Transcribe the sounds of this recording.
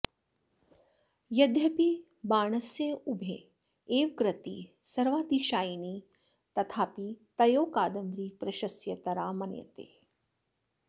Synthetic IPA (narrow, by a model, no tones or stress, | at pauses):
jɐd̪ʱjɐpi | baːɳɐsjɐubʱe | eːʋkɾɐt̪ḭsɐɾʋaːt̪iʃaːjniː | t̪ɐt̪ʰaːpit̪ɐjoːkaːd̪ɐmɾiːpɾɐʃɐsjɐt̪ɐɾaːmɐnjɐ̰t̪ḛː